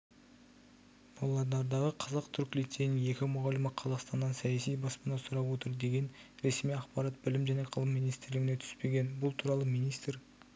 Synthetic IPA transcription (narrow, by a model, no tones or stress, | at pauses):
b̥ɑlˠːɑɾd̪ɑɾd̪ɑʁəqʰɑzɑqt̪ʰʏɾkʲlit̪ːenɪŋe̞kʲɪmʊʁɑlɪməqʰɑzɑqst̪ɑnd̪ɑnsæjasijbɑspənɑsʊɾɑpwo̞t̪əɾd̪e̞ɡʲe̞nɾe̞smijɑqpɑɾɑt̪̚bɪlɪmʒæne̞qʰəlˠəmːijnijst̪ɪɾlɪɡʲɪne̞t̪ʰʏ̥spe̞ɡʲe̞nbʊlˠt̪ʰuɾɑlˠəmijnijst̪ɾ